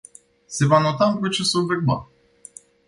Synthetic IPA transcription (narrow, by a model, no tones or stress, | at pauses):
se̞vanot̪aɨmpɾot͡ʃe̞sulverba̰